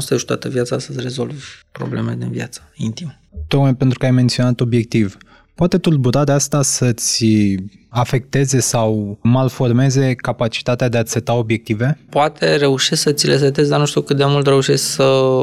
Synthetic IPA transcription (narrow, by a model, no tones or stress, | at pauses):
st̪eʃut̪a̰t̪əvjat̪səast̪əzʲre̞zo̞lvʲpɾo̰blemeled̪invja̰t̪sə̥int̪im | t̪o̞k̚majpent̪ɾukəajment̪sio̞nat̪o̞bje̞k̚t̪iv | poat̪e̞t̪urbuɾad̪east̪asət̪sʲ | afe̞k̚t̪e̞ze̞sawmalfo̞rme̞ze̞kapat͡ʃi̥t̪at̪ead̪e̞at̪sʲet̪ao̞bje̞k̚t̪ive̞poat̪ʰe̞ɾe̞uʃesksət̪sʲiles̬et̪ezd̪anuʃt̪ʲukɨt̪d̪emult̪ɾe̞uʃesksə